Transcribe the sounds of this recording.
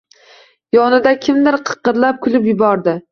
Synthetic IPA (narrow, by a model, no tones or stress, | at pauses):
jɒnɪd̪akʲʰɪmd̪ɪɾqʰɨ̥qːɨɾlap̚kʰʊlɪpjʊbɒɾd̪ɪ